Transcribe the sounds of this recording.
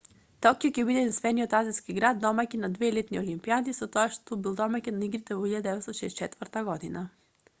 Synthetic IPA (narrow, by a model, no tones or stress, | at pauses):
t̪ɔkijocʲɛbid̪ɛd̪insvɛniot̪aziskiɡɾad̪ːɔmakinad̪vɛlit̪niolimpiad̪isɔt̪ɔaʃt̪obilˠd̪ɔmakɛnaiɡɾit̪ɛvoiʎad̪d̪ɛvɛt̪st̪ɔʃɛst͡ʃɛt̪vəɾt̪aɡɔd̪ina